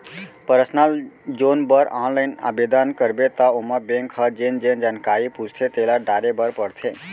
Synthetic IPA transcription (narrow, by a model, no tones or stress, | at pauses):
pəɾsnəld͡ʒonbəɾãnlaɪna̰bed̪ankəɾbet̪əomabeŋkhəd͡ʒend͡ʒend͡ʒankaɾipud͡ʒt̪ʰet̪elaɖaɾebəɾpəɽt̪ʰe